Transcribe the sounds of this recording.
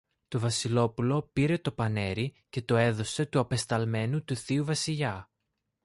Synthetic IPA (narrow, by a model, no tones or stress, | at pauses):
t̪o̞vɐsilo̞pulo̞piɾe̞t̪o̞pɐne̞ɾi | ce̞t̪o̞e̞ðo̞se̞t̪uɐpe̞st̪ɐlme̞nut̪uθiuvɐsiʎɐ